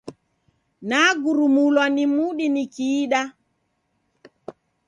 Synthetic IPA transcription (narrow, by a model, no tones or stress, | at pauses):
naɡuɾumulwanimuɗinikiːɗa